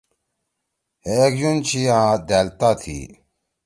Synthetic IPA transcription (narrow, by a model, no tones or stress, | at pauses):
hekd͡ʑunt͡ɕʰiãːd̪elt̪at̪ʰḭ